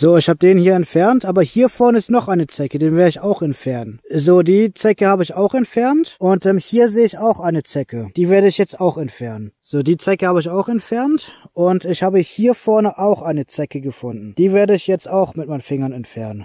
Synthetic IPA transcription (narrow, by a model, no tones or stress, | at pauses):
z̥oːɪçhaːbədeːnhiːɐɛntfɛɐntʔaːbɐhiːɐfɛɐnəɪstnɔχʔaɪnənt͡sɛkədeːnveːɐʁɪçaʊxɛntfɛɐnzoːdiːt͡sɛkəhaːbəɪçaʊxɛntfɛɐntʔʊntʔɛːmhiːɐzeːəɪçaʊxʔaɪnət͡sɛkəd̥iːveːɐɾəɪçjɛt͡staʊxɛntfɛɐnənz̥oːdiːt͡sɛkəhaːbəɪçaʊxɛntfɛɐntʔʊntɪçhaːbəhiːɐfɔɐnəʔaʊxʔaɪnət͡sɛkəɡəfʊndn̩d̥iːveːɐdəɪçjɛt͡staʊxmɪt̚maɪnfɪŋɐnɛntfɛɐnən